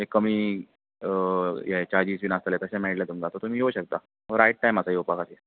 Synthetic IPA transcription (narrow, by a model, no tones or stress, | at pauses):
ekːəmiː | jɛt͡ɕaɾd͡ʑiːsʋiːnast̪əlet̪əɕãmɛʈljat̪umɡat̪ɔɾt̪um̤iːɦoɕək̚t̪a | ɦəɾajʈ̚ʈajmat͡sajoupakat̪e